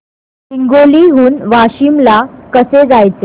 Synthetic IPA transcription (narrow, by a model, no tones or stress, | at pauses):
ɦeŋɡoliɦuːnʋaɕimlakəsed͡zajt͡se